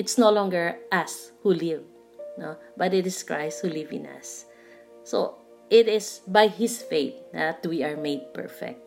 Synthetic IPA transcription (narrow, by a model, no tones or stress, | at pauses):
ɪt̪snolɔ̃ŋɡəɹʔashulɪv | nobat̪ɪt̪ɪskɹajshulɪvɪ̰̃na̰sː | o̰ | ʔɪt̪ɪsbajhɪsfeɪt̪̚at̪wiaɹmeɪd̪̚pɛ̰ɹfɛ̰k̚t̪̚